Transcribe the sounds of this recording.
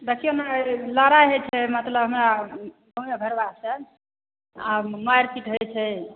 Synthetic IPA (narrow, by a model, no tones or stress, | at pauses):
d̪əkʰijonaləɾaɦet͡ʃʰɛmət̪ləbɦəmɾabʱəmebʱəɾbasə | amajɾpiʈɦəjt͡ʃʰɛ